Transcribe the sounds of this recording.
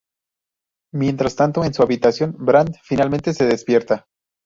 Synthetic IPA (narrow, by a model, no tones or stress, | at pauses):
mje̞nt̪ɾast̪ant̪o̞ensuaβit̪asjo̞nbɾand̪finalment̪e̞se̞ðe̞spje̞ɾt̪a